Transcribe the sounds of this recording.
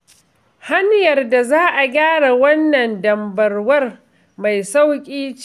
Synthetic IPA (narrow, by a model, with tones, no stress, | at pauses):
ha˦njɐ˨rda˨zaː˦ʔa˨ɡʲaː˦ɽa˨wɐ˦nːɐ˨ndɐ˨mbɐ˨rwɐ˦r | ma˨jsa˦wkʲʼiː˦t͡ʃ